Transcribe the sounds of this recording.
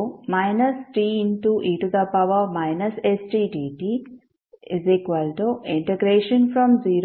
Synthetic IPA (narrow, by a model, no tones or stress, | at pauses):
majnɐsʈiːinʈuʔiːʈud̪ɐpɐʋɐmajnɐsesʈiːʈiːʈi | izikʋɐlʈuiɳʈeɡɾeːʃɐnfɾɔ̃mziːɾ